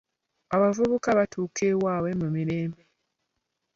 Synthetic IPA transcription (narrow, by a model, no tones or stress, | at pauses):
aβavuβukaβatuːkewaːwe̞mumiɾe̞ːmbe